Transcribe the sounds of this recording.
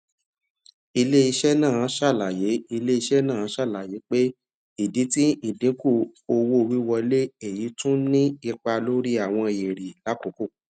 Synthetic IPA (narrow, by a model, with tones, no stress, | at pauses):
i˧le˦i˧ʃɛ˦nãː˦˨˦ʃa˦˨la˨je˨˦i˧le˦i˧ʃɛ˦nã˦˨˦ʃa˦˨la˨je˨˦k͡pe˦ | i˨di˨˦ti˦i˦˨dĩ˨˦ku˦˨o˧wo˦˧wi˦wɔ˧le˦e˨ji˨˦tũ˦nĩ˦i˧k͡pa˧lo˦ɾi˦a˨w̃ɔ̃˧je˨ɾi˨la˨˦ko˨ko˦˨